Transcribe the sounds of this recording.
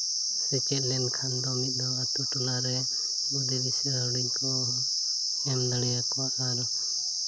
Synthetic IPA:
sɛt͡ʃɛt̪̚lɛnkʰand̪ɔmit̪̚ˀd̪ɔat̪uʈunaɾɛ | bud̪ɛdisɛɾaɽikɔ | ɛmd̪aɽɛjakɔaʔaɾ

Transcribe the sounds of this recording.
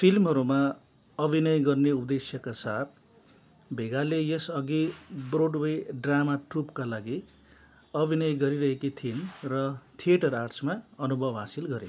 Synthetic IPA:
pʰilmɦʌɾuma | ʌbʱinʌjɡʌrneupd̪esjʌkasat̪̚ʰ | bʱeɡalejʌsʌɡibroɖweɖramaʈrupkalaɡi | ʌbʱinʌjɡʌɾiɾʌɦekit̪ʰinrʌt̪ʰieʈʌɾarsmaʌnubʱʌbɦasilɡʌɾḛ

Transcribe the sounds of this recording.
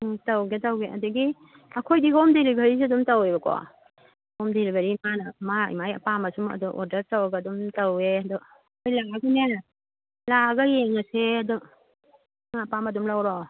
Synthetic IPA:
tawɡetawɡeʔɐdɯɡi | ɐkʰojdiɦomdelibʱɐɾis̬eɐdumtawebɐkʰɔ̰ | hɔmdelibaɾimanɐmaḭmajɐ̰pamɐsumɐ̰dɔʔo̰ɾdɐɾtawaɡadumtaweadɔ | ojlaɡaɡunena | laɡɐjeŋaseɐdɔ | mapamɐdumlawɾɔ

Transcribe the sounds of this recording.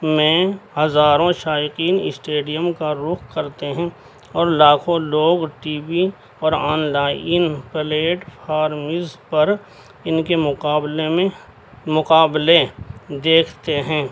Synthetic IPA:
mẽhɐzaːɾõʃaːɪqiːnɪ̰sʈeːɖijəmkaɾʊkʰkɐɾt̪eɦɛ̃ | ɔːɾlaːkʰõloːɡʈiːbi | ɔːɾɔːnlaːɪnpəleːʈpʰaːɾmɪzpɐɾ | ɪnkemʊːblemẽ | mʊqaːbled̪eːkʰt̪eɦɛ̃ː

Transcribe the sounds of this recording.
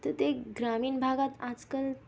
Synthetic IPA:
t̪ət̪eɡɾamiːnbʱaɡat̪ad͡zkəl

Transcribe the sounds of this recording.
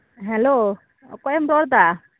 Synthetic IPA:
ɦɛlo | ɔ̰kɔjɛmɾɔɾd̪a

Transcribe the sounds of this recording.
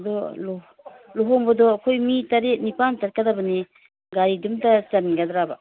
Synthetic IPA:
dɔl | loɦɔmbɐdɔːkʰojmitaɾet̚nipantat̚kadabane | ɡaɾidumtasanɡadɾaba

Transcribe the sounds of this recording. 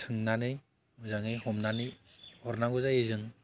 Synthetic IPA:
tʰɯŋnanɯj | uzaŋɯjhɔmnanɯj | hɔɾnaŋɡɔzajezɯŋ

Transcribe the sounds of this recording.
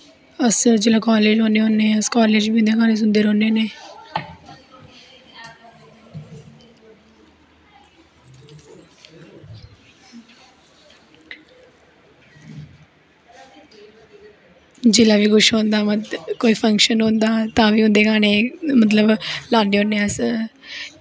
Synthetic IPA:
əsd͡ʒeːlãːkaːleːd͡ʒɦõːneːɦõːneːəskaːleːd͡ʒbiːʊ̃nd̪eːkaːneːs̬ʊnd̪əɾõːneːneː | d͡ʒɪlãːʋiːɡʊʃɦoːnd̪aːməkoːiːpʰəŋkʃənõːnd̪aːt̪ãːʋiːʊ̃nd̪eːkaːneːmət̪̬ləblaːnɖeːɦõːneəs

